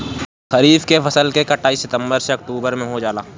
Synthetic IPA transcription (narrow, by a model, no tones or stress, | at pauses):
xɐɾiːfkefɐsəlkekɐʈaːiːsɪt̪ə̃mbəɾseɐk̚ʈuːbəɾmẽɦod͡ʒaːlaː